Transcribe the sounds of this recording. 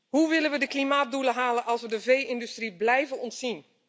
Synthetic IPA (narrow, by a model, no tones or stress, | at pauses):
huʋɪlənʋədəklimaːt̚duləɦaːlənʔɑlˠsʋədəvejɪndystriblɛjvənɔntsin